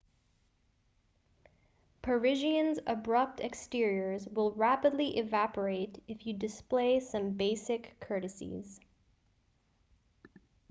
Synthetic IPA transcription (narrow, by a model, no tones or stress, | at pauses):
pʰə˞ɪʒiɨ̃nzəbɹʌp̚tɨkstɪɹiə˞zwɪlˠɹæpədˡliʔɪvæpə˞eɪɾɨfjɨdɨspleɪsʌ̃mbeɪsɨkʰːɜ˞ɾɨsḭz̥